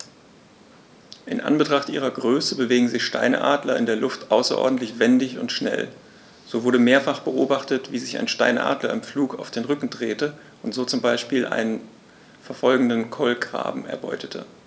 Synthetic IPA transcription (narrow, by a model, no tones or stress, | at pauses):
ʔɪnʔa̰nbətʁ̥aχtʔiːʁ̞ɐɡʁøːsəbəveːɡŋ̩zɪçʃta̰ɪnə̰ʔa̰ːdlɐɪ̰ndeːɐlʊftʔaʊsɐʔɔ̰ɐdn̩tlɪçv̥ɛndɪçʊ̰ntʃnɛ̰l | z̥oːvʊɐɾəmeːɐfaχb̥əʔoːbaχtətv̥iːzɪça̰ɪnʃtaɪnʔa̰ːdlɐ̰ɪmfluːkaʊfd̥eːnʁʏkŋ̩dʁeːtə | ʔʊntz̥oːt͡sʊmbaɪʃpiːlʔa̰ɪnən | fɛɐfɔlɡŋ̩dənkʰɔlɡʁa̰ːbm̩ɛ̰ɐbɔ̰ʏtə̥tʰə̰